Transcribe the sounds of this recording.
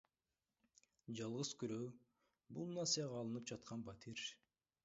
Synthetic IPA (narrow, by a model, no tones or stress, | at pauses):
d͡ʒɑlˠʁɯzkyɾø | bulˠnɑsijɑʁɑːlˠɯnɯp̚d͡ʒɑt̪̚qʰɑnbɑt̪ʰiɾ